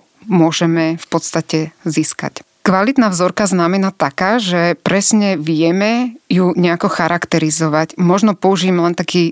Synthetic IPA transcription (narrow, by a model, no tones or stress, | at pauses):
mʊɔʒɛmɛfpɔt̪st̪acɛziska̰c | kʋalit̪naːvzɔɾkaznamɛnat̪akaːʒɛpɾɛsɲɛʋɪɛmɛjuɲɛakɔxaɾakt̪ɛɾizɔʋacmɔʒnɔpɔuʒiːmɛlɛnt̪akiː